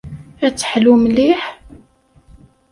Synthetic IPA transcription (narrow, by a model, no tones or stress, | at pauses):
æt͡sːə̥ħlumliħ